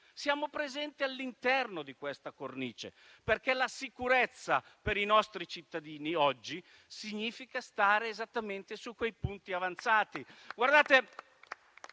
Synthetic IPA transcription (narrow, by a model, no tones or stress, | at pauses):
sjaːmopɾezɛnt̪ialːint̪ɛrnod̪ikwest̪akorniːt͡ʃḛ | perkɛlasikuɾɛt̪sːapeɾinɔst̪ɾit͡ʃit̪ːad̪iːniɔd͡ʒːi | siɲːiːfikast̪aːɾeːzat̪ːament̪esukːwejpunt̪iavant̪saːt̪iɡward̪aːt̪e